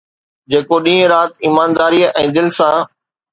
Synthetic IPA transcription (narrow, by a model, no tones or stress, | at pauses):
d͡ʑeːkoɗĩːə̃ɾaːt̪iːmaːnd̪aːɾiːɛ̃ːd̪ɪlsãː